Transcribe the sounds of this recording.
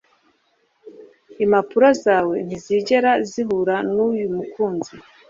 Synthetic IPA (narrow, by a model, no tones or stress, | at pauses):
imapuɾazaːwe̞n̥iziɟe̞ɾaziɦuɾanujumukuːnzi